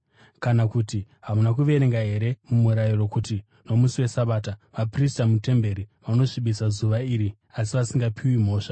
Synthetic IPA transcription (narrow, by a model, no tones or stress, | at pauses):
kanakuti | ɦamunakuʋe̞ɾeŋɡaɦe̞ɾe̞mumuɾajiro̞kuti | no̞musiwe̞saɓaːtaʋapristamute̞mbe̞ɾiʋano̞ʐiɓisazuʋaiːɾi | asiʋasiŋɡapʰiwim̤o̞ːʂa